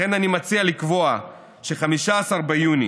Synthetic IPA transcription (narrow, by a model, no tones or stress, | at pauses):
e̞nanimat͡sialikvo̞a | ʃeχamiʃaːsaʁbejuni